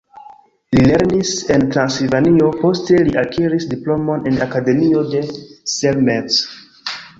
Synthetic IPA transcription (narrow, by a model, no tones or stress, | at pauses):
lile̞ɾnise̞ntɾansilvanio̞po̞ste̞liʔakʰiɾisdiplo̞mo̞ne̞nakade̞mio̞de̞selmet͡s